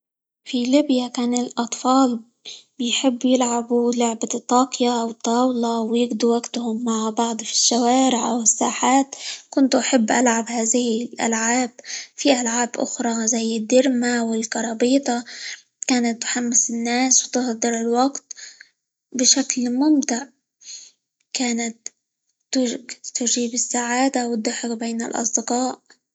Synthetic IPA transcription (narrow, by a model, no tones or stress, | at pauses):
filiːbjakaːnɪlʔɑt̪ˤfɑːl | bɪjħɪbːjɪlʕabulʊʕbat̪ˤːɑːqjaʔwɨt̪ˤːɑːwlɑwjɪɡd̪uwaɡt̪hʊmːaʕbɑʕd̪ˤfi̥ʃːawaːɾɪʕʔa̰wɪsːaːħaːt̪kʊnt̪uʔaħabːʔalʕabhaːðɪhɪlʔa̰lʕaːbfiʔalʕaːbʔʊ̰xɾˤɑzajːɪd̪ːɪɾmawɪlkɑɾˤɑːbiːt̪ˤɑ | kaːnat̪ːħamːɪsɪnːaːswt̪ɪhd̪ˤɨɾɪlwɑɡt̪ | bɪʃaklmʊmt̪ɪʕ | kaːnat̪ː | ʊɡt̪ːʊʒiːbɪsːaʕaːd̪awd̪̚d̪ʊħɪqbeːnɪ̰lʔɑ̰sˤd̪ɪqɑːʔ